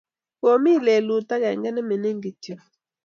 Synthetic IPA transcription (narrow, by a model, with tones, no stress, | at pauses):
wo˨mi˦˨le˨lu˨ta˦ɡa˨ŋ˦ɡɛ˦nɛ˦mɛ˨nɛ˦ŋɡi˨ti˨